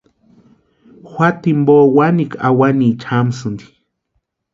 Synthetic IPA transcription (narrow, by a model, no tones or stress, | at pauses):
xʷat̪imboːwanikʰawanit͡ʃʰamsund̪i̥